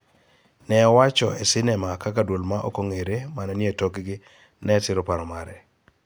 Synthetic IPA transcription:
nɛɔwat͡ʃɔesɪnɛmakakadwolmaʔo̰koŋeɾemanɛnjetokɡɪ | nɛsɪɾɔpaɾɔmaɾɛ

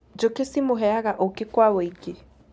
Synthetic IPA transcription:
d͡ʒokesimʊɦɛaɣaʔokɪkwaweike

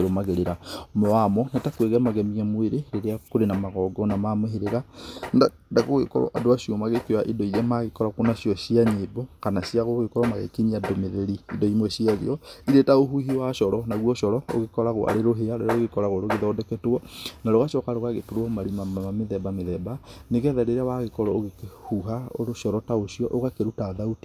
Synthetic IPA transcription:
ɾomaɣeɾeɾamɔwamɔnatakweɣɛmaɣɛmiamweɾeɾeɾeakoɾenamaɣɔɡɔnamamweɦeɾeɣanda | daɣoɣḛkɔ̰ɾɔ̰ʔadoaʃiɔmaɣekeoaʔidɔiɾɛmaɣekɔɾakonaɕiɔʃiaɲeːbɔkanasiaɣoɣekɔɾɔmaɣḛkiɲiadomeðeɾiːdɔimwɛʃiaɣḛɔiɾetaoɦuɦiwaʃɔɾɔnaɣwɔʃɔɾɔo̰ɣekɔɾaɣoʔa̰ɾeɾoɦeaɾeɾaɾoɣekɔɾaɣoɾoɣeðɔːdɛkɛtoɔnaɾoɣaʃɔkaɾoɣaɣetoɾoɔmaɾimaamameðɛbameðɛbaneɣɛðaɾeɾawaɣekɔɾɔoɣekhuɦaoɾoʃɔɾɔtaosiɔʔoɣakeɾutaðauti̥

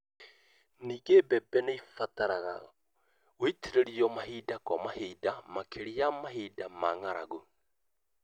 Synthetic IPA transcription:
niːɡebɛbɛneifataɾaɣa̰ | oitʰiɾeɾiɔmaɦiːdakwamahiːdamakʰeɾiamaɦiːdamaŋaɾaɣo

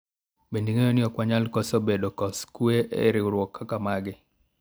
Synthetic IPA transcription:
bendiŋejonɪɔkwaɲalkɔsɔbedokɔskweʔḛɾɪɾwɔkʰːakamaɡɪ

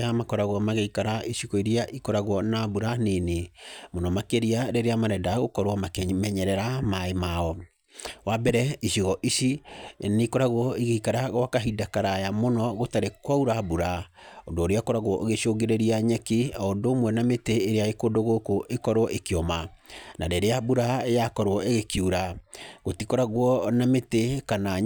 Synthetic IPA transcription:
amakɔɾaɣwɔmaɣeikaɾaiʃiɣɔiɾiaʔikɔɾaɣwɔnabuɾanenemonɔmakeɾiaɾeɾeamaɾɛdaɣokɔɾwɔmakmɛɲɛɾɛɾamaemaɔ | wabɛɾɛiɕiɣɔʔiʃineikɔɾaɣwɔiɣeikaɾaɣwakaɦidakaɾajamonɔɣotaɾekwauɾabuɾa | ondoːɾeakɔɾaɣwɔʔoɣeʃoɡeɾeɾiaɲɛkiaondoːmwɛnameteːɾeaɣekondoɣokoʔekɔɾwɔʔekiɔmanadeɾeabuɾaejakɔɾwɔʔeɣekjuɾaɣotikɔɾaɣwɔnametekana

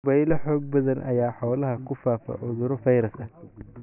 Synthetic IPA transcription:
bɐjlɐħɔːɡ̚bɐðɐnʔɐ̰jaːħɔːlɐɦɐkʰʊfaːfɐ̰ʔʊðʊɾɔfɐjɾɐsɐ

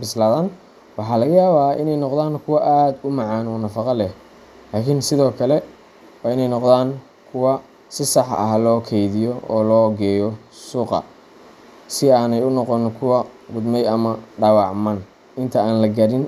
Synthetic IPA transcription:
bɪslaːðɐn | wɑħɑːlɐɣɐjaːβaːʔɪ̰nɛjnɔqðaːnkʰʊwɐʔaːd̪ʊmɑʕɑːnɔːnɐfɑqɑlɛh | laːkʰɪnsɪðɔːkʰɐlɛ | wɑːɪnɛjnɔqd̪aːŋ | kʰʊwɐ | sɪsɑħɐ̰ɦlɔːkʰɛjðɪjɔɔːlɔːɡɛːjɔ | suːqɑ̰ | sɪaːnɛjʊnɔqɔnkʰʊwɐɡʊd̪mɛjɐmɐɖɑwɑʕmɐn | ɪnt̪ʰɐaːnlɐɡɐɾɪn

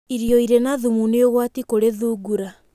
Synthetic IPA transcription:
iɾjɔiɾenaðumuneoɣwatikoɾeðuːɡuɾa

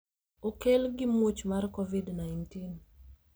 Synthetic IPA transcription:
okelɡɪmwot͡ʃmarkɔvidnajntin

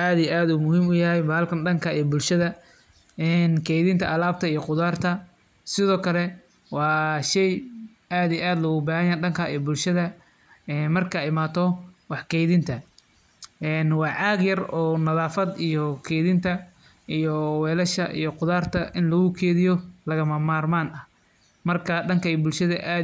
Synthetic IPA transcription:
aːðijʔaːd̪ʊmʊhiːmʊjɐɦɛjbɐlkʰɐnɖɐŋkʰɐijbʊlʃɐðɐ | ɛnkʰɛːjðɪnt̪ʰɐɐlaːb̚t̪ʰɐijɔqʊðaːrt̪ʰɐ | sɪðɔːkʰɐlɛ | wɑːʃɛj | aːd̪ijɛʔaːd̪lɐɣʊbaːhɐjaɖɐŋkʰaijbʊlʃɐðɐ | ɛːmɐrkʰɐɪmaːt̪ʰɔwɑħkʰɛːjðɪnt̪ʰɐ | ɛːnwɑːʕɑːɡjɐrɔːnɐðaːfɐd̪ijɔkʰɛːðɪnt̪ʰɐ | ijɔwɛːlɐʃɐ̰ʔḭjɔqʊðaːrt̪ʰɐʔɪnlɐɣʊkʰɛːðɪjɔlɐɣɐmɐmaːrmaːnɐ | mɐrkʰɐɖɐŋkʰɐijɔbʊlʃɐðɐʔaː

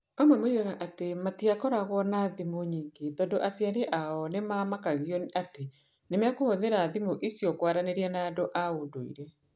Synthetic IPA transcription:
amamoɾeɣaʔatematiakɔɾaɣwɔnaðimoɲiːŋɡetɔndoʔasjaɾeʔaɔnemamakaɣjɔnate | nemeakohoðeɾaðimoʔisjɔkwaɾaneɾianaːdoʔaodoḭɾɛ

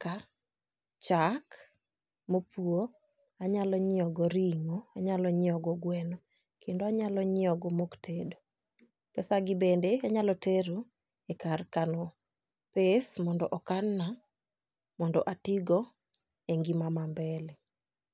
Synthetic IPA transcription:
ka | t͡ʃak | mopuo | aɲalɔɲɪɔɡɔɾiŋoaɲalɔɲɪɔɡɔɡwɛnɔ | kʰendoaɲalɔɲɪɔɡɔmoktʰedo | pɛsaɡɪbendeaɲalɔteɾo | ekarkanɔ | pesmɔndɔ̰ʔɔkanːa | mɔndɔʔatiɡɔ | eŋɡimamambɛlɛ

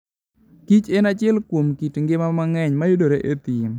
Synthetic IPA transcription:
kit͡ʃenat͡ʃɪɛlkwomkitŋɡɪmamaŋɛɲmajodoɾeʔet̪i

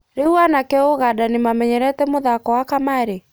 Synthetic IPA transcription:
ɾeuanakɛoɣadanemamɛɲɛɾɛtɛmoðakɔwakamaɾe

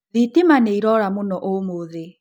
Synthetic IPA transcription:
ðitimaneiɾɔɾamonɔʔomoðe

